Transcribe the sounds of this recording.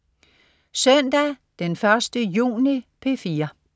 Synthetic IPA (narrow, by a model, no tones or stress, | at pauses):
sœnd̥æd̥enfɶɐsd̥əjṵːnipʰe̝fiːɐ